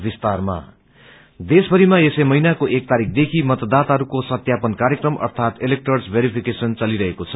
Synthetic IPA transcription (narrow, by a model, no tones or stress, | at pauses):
bist̪arma̰ | d̪esbʱʌɾimaesemʌɦinakoʔek̚t̪aɾik̚ʰd̪ekʰimʌt̪d̪at̪aɦʌɾukosʌt̪japʌnkaɾjekrʌmʔʌ̰rt̪ʰat̪elek̚ʈʌrsbʱeɾipʰikesʌnt͡sʌliɾʌɦekot͡sʰʌ̥